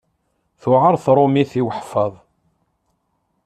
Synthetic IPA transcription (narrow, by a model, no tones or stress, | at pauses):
θʊʕəɾˤθɾˤomiθiwəħfəðˤ